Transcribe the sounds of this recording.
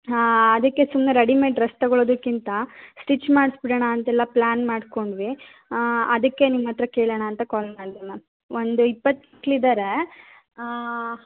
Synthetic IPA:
ɐd̪ɐkːe̞sumnɐɾɐɽimeʈɾɐst̪ɐɡɔɭoːd̪ukːint̪ɐsʈit͡ʃːmaːɽsbiɽɐɳaːnt̪ɐɛlːɐplaːnmaːɖko̞ɳɖʋi | ɐd̪ɐkːe̞nimːɐt̪ːɾɐkeːɭɐɳaːnt̪ɐkaːlmaːɽid̪ɐmɐ | ond̪uipːɐt̪ːikːlid̪aːɾe

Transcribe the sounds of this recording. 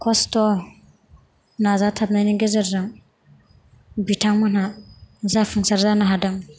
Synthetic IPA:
kʰɔstɔ | nazatʰap̚najniɡezɯɾɾaŋ | bitʰaŋmɯnazafʰɯŋsaɾzanaɦadaŋ

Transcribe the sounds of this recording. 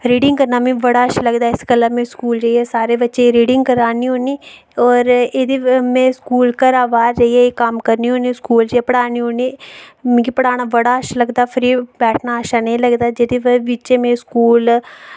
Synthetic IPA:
ɾiːɖɪ̃ŋɡkəɾnaːmẽːʋəɽaːəʃaləɡd̪aːɪsɡəlːaːmẽːskuːlɾəiɛːsaːɾeːbətːʃeɾiːɖɪŋɡkəɾaːniːɦoːniː | ɔːɾeːd̪imẽːskuːlkəɾaːʋaːɾɾəiɦeekəmkəɾniːɦoːnĩskuːld͡ʒeːpəɽaːniɦoːniːmẽkipəɽaːɽ̃aːʋəɽaːəʃaləɡd̪aːpʰɪɾibɛːʈʰnaːəʃaːnəĩːləɡd̪aːd͡ʒeːd̪iːʋʋɪt͡ʃeːmẽːskuːl

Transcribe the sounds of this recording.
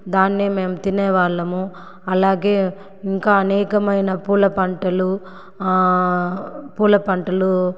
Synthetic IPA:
d̪aːnːeːmeːmɐt̪inɛːʋaːlːɐmu | ɐlaːɡe̞ː | iŋkaːɐnɛːkɐmɐjnɐpuːlɐpɐɳʈɐlu | puːlɐpɐɳʈɐlu

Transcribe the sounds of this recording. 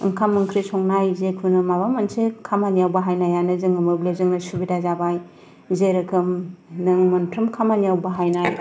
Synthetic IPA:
ɯŋkʰamːɯŋkʰɾisɔŋnajzekʰunɯmabamɐnsekʰamanijawbɐɦajnajanɯzɯŋɯmɯblezɯŋnɐsubidazabaj | zeɾɯkʰɯmnɯŋmɐntʰɾɯmkʰamanijawbɐɦajnaj

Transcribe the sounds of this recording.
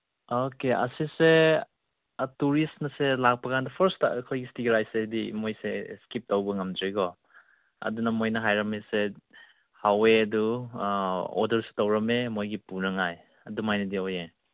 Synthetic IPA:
okeʔɐ̰sise | tuɾisnɐselak̚pɐkandɐpʰɐɾstkʰojɡistiɡɾajsedimojseskip̚tawbɐŋɐmdɾiɡɔ | ɐ̰dunɐmojnɐɦajɾɐmese | haweɐdu | o̰dɐɾsu̥tawɾɐmemojɡipunɐŋaj | ɐdumajnɐdioje

